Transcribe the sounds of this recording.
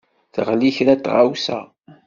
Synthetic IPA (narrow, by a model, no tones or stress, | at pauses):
θʁliçɾæt̪ːʁa̰wsæ̰